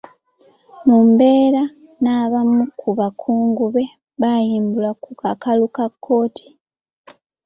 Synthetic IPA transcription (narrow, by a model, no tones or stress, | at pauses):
mumbe̞ːɾa | naβamukʰuβakʰuːŋɡuβe̞ | βajiːmbulakukakalukakʰːo̞ːtʰi̥